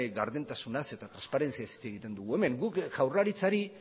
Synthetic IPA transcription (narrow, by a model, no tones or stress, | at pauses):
ɣaɾðent̪asunase̞t̪at̪ɾanspaɾe̞nt͡siasi̥t͡se̞ɣit̪e̞nd̪uɣ̞ue̞me̞ŋɡukʝawraɾit͡saɾi